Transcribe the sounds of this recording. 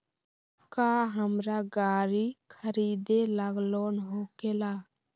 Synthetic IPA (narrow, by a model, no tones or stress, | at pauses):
kaɦəmɾaɡaːɾikʰəɾiːd̪eləɡlonɦokela